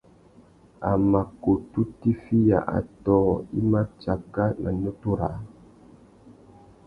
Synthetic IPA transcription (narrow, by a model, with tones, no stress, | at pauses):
a˨ma˨ko˨tu˦ti˦fi˦ja̰˨ʔa̰˨tɔ˦i˦ma˦t͡ʃa˨ɡa˦nʔa̰˨no˦tu˦ɾa̰˨˦